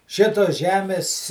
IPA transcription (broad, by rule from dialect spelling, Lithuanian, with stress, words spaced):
ˈʃʲɪtoːs ˈʒʲæːmʲeːs